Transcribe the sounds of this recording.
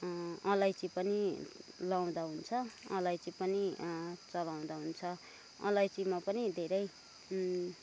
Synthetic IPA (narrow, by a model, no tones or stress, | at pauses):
ʌlajt͡sipʌnilaw̃d̪aɦunt͡sʰʌʌ̰lajt͡sipʌnit͡sʌlaw̃d̪aɦunt͡sʰʌ | ʌ̰lajt͡simapʌnid̪ʱeɾʌj